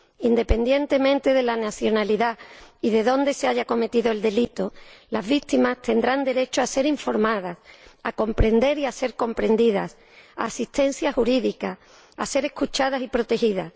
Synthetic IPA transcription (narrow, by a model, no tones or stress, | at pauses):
ind̪e̞pe̞nd̪je̞nt̪e̞mẽ̞nt̪e̞ð̞e̞lanaθjo̞naliðaiðe̞ðo̞nd̪e̞se̞aʝako̞me̞t̪iðo̞e̞ld̪e̞lit̪olazβikt̪imast̪e̞nd̪ɾand̪e̞ɾe̞t͡ʃoase̞ɾiɱfo̞ɾmað̞asako̞mpɾe̞nd̪e̞ɾiase̞ɾko̞mpɾe̞nd̪iðas | a̰ːsist̪e̞n̟θjaxuɾiðika | ase̞ɾe̞hskut͡ʃað̞asipɾo̞t̪e̞xiða